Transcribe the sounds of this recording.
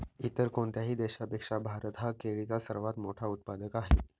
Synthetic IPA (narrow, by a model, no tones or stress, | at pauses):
it̪əɾkoɳt̪jaɦiːd̪eɕapekʂabʱaɾət̪ɦakeɭit͡sasəɾʋat̪moʈʰaut̪̚pad̪əkaɦe